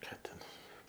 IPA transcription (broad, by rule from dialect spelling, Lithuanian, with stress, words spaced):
ˈkɑː tʲɛn